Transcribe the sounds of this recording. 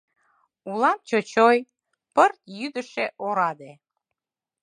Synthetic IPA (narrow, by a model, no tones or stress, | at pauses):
ulɑmt͡ɕot͡ɕoj | pərt̪jyd̪əʃeʔoɾɑd̪e